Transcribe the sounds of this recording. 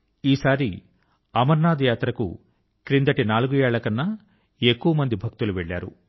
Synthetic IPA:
iːsaːɾi | ɐmɐɾnaːd̪ɐjaːt̪ɾɐkṵ | kɾind̪ɐʈinaːluɡujɛːɭɐkɐnːɐ | ekːuʋɐmɐnd̪ibʱɐk̚t̪uluʋeɭːaːɾṵ

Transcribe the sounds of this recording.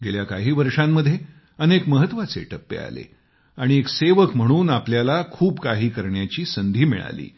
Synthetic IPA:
ɡeljakaɦiːʋəɾʂamːəd̪ʱːje | ənekməɦət̪ʋat͡sḛʈəpːḛa̰lḛ | aɽ̃iekseʋəkm̤əɽ̃uːnapljalakʰuːbkaɦiːkəɾɳjat͡ɕiːsənd̪ʱiːmḭɭa̰lḭː

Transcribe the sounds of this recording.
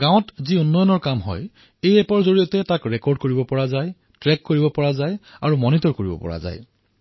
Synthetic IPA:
ɡãw̃tziunːɔjɔnɔɹkamɦɔ̰j | ejɛpɔɹzoɹijɔtɛtakɹɛkɔɹd̚koɹibɔpɔɹazaj | tɹɛkːoɹibɔpɔɹazajaɹumɔnitɔɹkoɹibɔ̰pɔ̰ɹa̰za̰j

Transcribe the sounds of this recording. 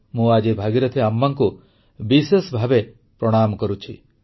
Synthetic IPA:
mũad͡ʒebʱaɡiɾɔt̪ʰiamːaŋku | bisesbʱabe | pɾɔɽ̃amɔkɔɾut͡ʃʰi

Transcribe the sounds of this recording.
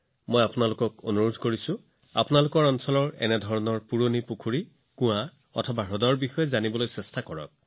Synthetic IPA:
mojapunalʊkɔkonuɹodʱkoɹisʊ̃ | a̰pʊnalʊkɔɹɔnsɔlɔɹɛ̰nɛdʱɔɹɔnɔɹpuɹonipukʰuɹi | kʊ̃a | ɔ̰tʰɔbaɹɔdɔɹbixɔjɛzanibɔlojsɛstʰakɔɹɔ̰k̚

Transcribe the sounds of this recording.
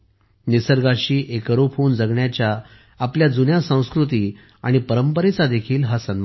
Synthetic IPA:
nisəɾɡaɕiːʔekɾofond͡zəɡɳjat͡ɕjaː | pljad͡zunjasə̃w̃skɾut̪iː | aɽ̃ipəɾəmpəɾet͡sad̪ekʰiːlɦasənʋa

